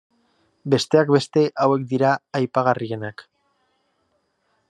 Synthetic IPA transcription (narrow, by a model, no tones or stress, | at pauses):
be̞st̪e̞akbe̞st̪e̞ʔawe̞k̚d̪iɾaːjpaɣarie̞nak